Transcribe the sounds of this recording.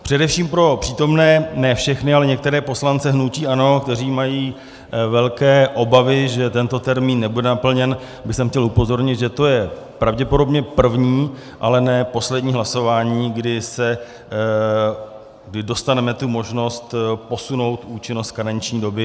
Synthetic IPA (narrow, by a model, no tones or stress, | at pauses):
pr̝̥ɛdɛfʃiːmpɾo̞pr̥iːt̪o̞mnɛːnɛːfʃɛxnɪalɛɲɛk̚t̪ɛɾɛːpo̞slant͡sɛɦnuciːʔano̞kt̪ɛr̝iːmajiː | vɛlkɛːʔo̞bavɪʒɛt̪ɛnt̪o̞t̪ɛɾmiːnːɛbudɛnapl̩ɲɛn | bɪxsɛmxcɛlupo̞zo̞ɾɲɪt̪ʒɛt̪o̞jɛ | pɾavɟɛpo̞do̞bɲɛpr̩vɲiː | ʔalɛnɛːpo̞slɛdɲiːɦlaso̞vaːɲiːɡdɪsɛ | ɡdɪdo̞st̪anɛmɛt̪umo̞ʒno̞st̪po̞suno̞wt̪uːt͡ʃɪnost̪̚kanaɲt͡ʃɲiːdo̞bɪ